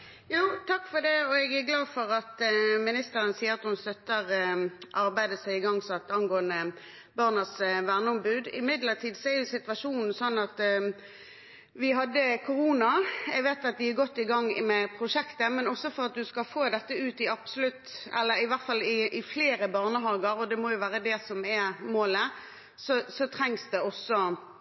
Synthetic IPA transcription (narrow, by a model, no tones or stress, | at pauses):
juːt̪ʰɑkːfɔd̪ɛɔɛɡæɡlɑːd̪fɔʁɑt̪mɪnɪst̪əɾənsiːəɑt̪hʊnst̪œt̪ːəʁʔɑʁbæɪd̪əsæɪɪɡɑŋsɔɑt̪ːɑnɡoːənə | bɑʁnəsʋæʁnəɔmbʉːd̪ɪmɪd̪lət̪ʰiːd̪sɔɛɾjʊsɪt̪ʋɑʃuːnn̩sɔnːɑt̪ | ʋɪɦɑd̪ːəkʰʊɾuːnɑæɪɡʋeːt̪ɑt̪̚d̪ɪæɡɔt̪ːɪɡɑŋːmɛpʰɾʊʂɛkt̪əmɛnɔsːɔfɔɾʁɑt̪̚d̪ʉskɑfoːd̪ɛt̪ːəʉːt̪ɪɑb̥sʊlʉt̪ːɛ̰lːəɾɪʋæʁt̪fɑlɪʔɪfleːɾəbɑːʁnəɦɑːɡəɾɔd̪ɛmɔjʊʋæːɾəd̪ɛsɔmɛmoːlə | sɔsɔt̪ʰʁɛŋsd̪ɛɔsːɔ